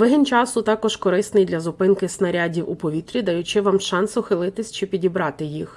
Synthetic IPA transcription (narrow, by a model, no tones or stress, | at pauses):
ʋɪɦɪnt͡ʃɑsʊt̪ɑkɔʒkɔɾɪsnɪjd̪lʲɐzʊpɪnkɪsnɐɾʲadʲiwṵpɔʋʲit̪ɾʲid̪ɐjʊt͡ʃɪʋɑmʃɑnsʊxɪlˠɪt̪ɪsʲt͡ʃɪpʲidʲibɾɑt̪ɪjix